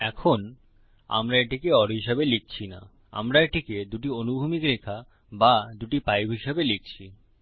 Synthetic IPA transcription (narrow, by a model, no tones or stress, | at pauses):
ɛkʰon | a̰mɾaeʈikeɔɾɦiʃebelik̚t͡ɕʰina̰ | a̰mɾaeʈiked̪uʈionubʱumikɾekʰa | bad̪uʈipajbʱɦiʃebelik̚t͡ɕʰi